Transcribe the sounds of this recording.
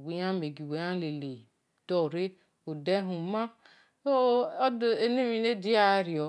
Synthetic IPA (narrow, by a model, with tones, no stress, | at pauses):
we˨ja˦me˨ɡi˨we˨˦ã˦le˨le˨ | dɔ˦˨ɾe˦ | u˨de˦ɦũ˨ma˦ | o˦ɔ˦de˦ne˦mi˨ne˦di˦a˦ɾi˨ɔ˨˦